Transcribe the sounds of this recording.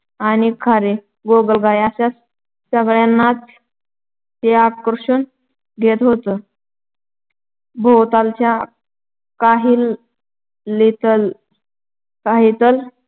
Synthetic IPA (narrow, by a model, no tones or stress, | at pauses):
anikʰaɾe | ɡoɡəlɡajaɕas | səɡɭjanːat͡sː | eakɾəɕun | ɡʱet̪ɦot̪ə | bʱowt̪alt͡ɕja | kaɦiːlː | it̪əl | kaɦit̪əl